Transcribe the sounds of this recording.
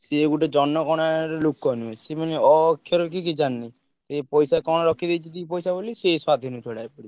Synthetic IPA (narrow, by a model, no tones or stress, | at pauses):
seɡuʈed͡ʒɔnːɔkɔɽ̃aɾɔlukːɔniesemaneɔkʰːjɔɾɔk̬ikid͡ʒanːi | t̪epɔjsakɔñɔɾɔkʰːid̪ejt͡ʃʰit̪ipɔjsaboliseswad̪ʱinut͡ʃʰɔɽaepɔɽi